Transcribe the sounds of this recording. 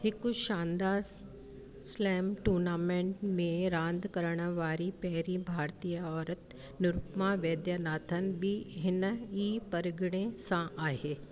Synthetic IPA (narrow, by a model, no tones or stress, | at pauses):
hɪkʊʃãːnd̪aːɾ | slɛːmʈuːɾnaːmẽːɳʈmẽɾãːnd̪kɐɾəɽ̃ʋaːɾipɛɦɾibʱaːɾt̪ijəɔːɾət̪ | nʊɾʊpmãʋjɐːd̪janaːt̪ʰən̆bɪɦɪnəiːpɐɾɡɪɽ̃esãʔaːɦeː